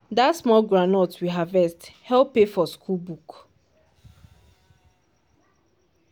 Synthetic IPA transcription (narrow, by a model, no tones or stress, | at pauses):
datsmɔɡɹanɔtwiɦavɛsthɛlpefɔskʰulbuk